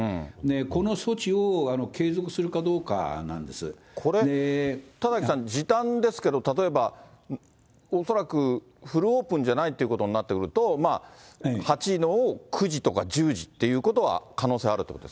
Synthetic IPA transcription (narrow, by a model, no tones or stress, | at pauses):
ɯ̟̃ne̞ko̞no̞so̞t͡ɕioano̞kʰe̞ːzo̞kɯ̟sɨɾɯ̟kad̪o̞ːka̰nã̰nd̪e̞sɨ̰ | kʰo̞ɾe̞et̪azakʲisãɲd͡ʑit̪ãnd̪e̞sɨ̥ke̞d̪o̞t̪at̪o̞e̞ba | oso̞ɾakɯ̟ | ɸɯ̟ɾɯ̟oːpɯ̟̃ɲ̟d͡ʑanait̪ːeiɯ̟ko̞t̪o̞ɲ̟inat̪ːe̞kɯ̟ɾɯ̟t̪o̞ma | hat͡ɕino̞ːkʰɯ̟ʑit̪o̞kad͡ʑɨːʑit̪ːe̞jɯ̟ːko̞t̪oβa̰kʰano̞ːse̞aɾɯ̟t̪ekot̪o̥s